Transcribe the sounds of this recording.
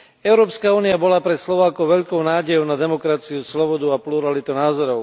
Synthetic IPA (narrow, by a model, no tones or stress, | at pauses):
ɛʊɾɔːpskauːniabɔlapɾɛslɔʋaːkɔʊʋɛʎkɔʊnaːɟɛjɔʊnad̪ɛmɔkɾat͡siuslɔbɔd̪uapluɾalit̪unaːzɔɾɔʊ